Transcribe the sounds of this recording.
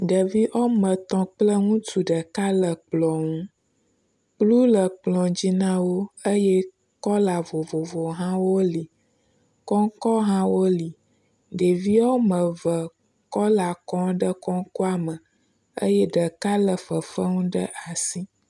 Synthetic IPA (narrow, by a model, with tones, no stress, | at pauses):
ɖə˨vi˦ʔo˦mə̃˨t̪ɔ̃˦k͡plə˦ŋũ˦tu˨ɖə˨ka˦lə˨k͡plɔ̃˨ŋũ˦ | k͡plu˦lə˨k͡plɔ̃˨d͡ʑi˦nã˦wo˦ə˦je˦ | kɔ˦la˨vo˨vo˨vo˨ɦã˦wo˦li˨ | kɔ˦ŋkɔ˦ɦã˦wo˦li˨ | ɖe˨vi˦o˦mə˨və˨ | kɔ˦la˨kɔ̃˦ɖə˦kɔ̃˦ŋ˦kɔ˦a˨mə˨ | ə̰˦jɛ˦ɖə˨ka˦lə˨fə˨fə˦ŋũ˦ɖə̰˦ʔa˨si˦